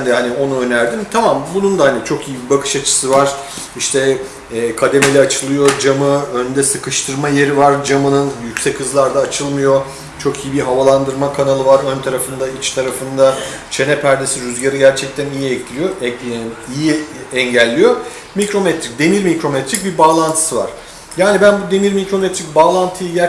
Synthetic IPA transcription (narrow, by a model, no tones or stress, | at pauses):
nd̪ɛɦanio̞nuø̞næɾd̪imt̪ʰamambunund̪ahanit͡ʃʰo̞kijibibakʰɯ̥ʃat͡ʃʰɯ̥sɯvaɾ̥ | iʃt̪ʰɛː | kʰad̪e̞melʲɛat͡ʃʰɯlˠɯjo̞d͡ʒamɯønd̪ɛsɯkʰɯʃt̪ʰɯɾmaje̞ɾivaɾd͡ʒamɯnɯnjycʲsɛchɯzlˠaɾd̪aːt͡ʃʰɯlˠmɯjo̞ | t͡ʃʰo̞kʰijibiɦavalˠand̪ɯɾmakʰanalˠɯvaɾø̞nt̪ʰaɾafɯnd̪ait͡ʃt̪ʰaɾafɯnd̪a | t͡ʃʰe̞nɛpʰæɾd̪e̞siɾyzɟaɾɯɟæɾt͡ʃʰɛc̚t̪ʰænijiɛccʰʲilʲijo̞ʔijiɛɲɟælʲːijo̞ | micɾo̞mɛt̪ɾic̚d̪e̞niɾmicɾo̞mɛt̪ɾic̚bibaːlˠant̪ʰɯ̥sɯva̰ɾ̥ | jaːnibænbud̪e̞niɾmikɾo̞mɛt̪ɾic̚baːlˠant̪ʰɯjɯɟæ